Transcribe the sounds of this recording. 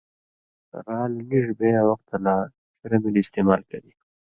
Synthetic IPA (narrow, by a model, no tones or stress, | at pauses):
ɾɑːlniʐbeawaxt̪alɑ | sɪɾamiliɪst̪emɑlkawi